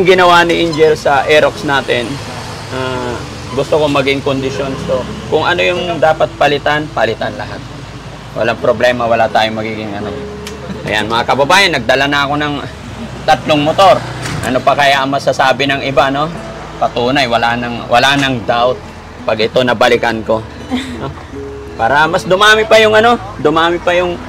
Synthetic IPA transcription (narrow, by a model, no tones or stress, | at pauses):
ʊŋɡɪnɐwanɪʔɪnd͡ʒɛlsɐʔɛɾoksnaːt̪ɪn | ʔaː | ɡʊst̪okomɐɡɪŋkond̪ɪʃjo̞nso̞kʊŋɐno̞jʊŋd̪aːpɐt̪̚pɐlɪt̪anpɐlɪt̪anlɐ̰ɦat̪̚ | wɐ̰laŋpɾoblɛːmɐwɐlat̪aːjomɐɡiːɡɪŋʔɐno | ʔɐ̰ja̰nmɐŋakɐbɐbaːjɐnːɐɡ̚d̪ɐlanɐɐko̞nɐŋ | t̪ɐt̪loŋmot̪o̞ɾ | ʔɐ̰no̞pɐkɐjaʔɐŋmɐsasaːbɪnɐŋɪbano̞ | pɐt̪uːnɐjwɐlanɐŋwʔɐ̰lanɐŋd̪awt̪̚ | pɐɡʔɪt̪o̞nɐbɐlɪkanko̞ | no | paːɾɐmɐsd̪ʊmaːmɪpɐjʊŋɐno̞d̪ʊmaːmɪpɐjʊŋ